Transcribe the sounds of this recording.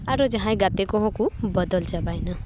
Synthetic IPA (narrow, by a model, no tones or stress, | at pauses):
aɾod͡ʒaɦãẽɡat̪ekɔɦɔ̃kubɔd̪ɔlt͡ʃabajna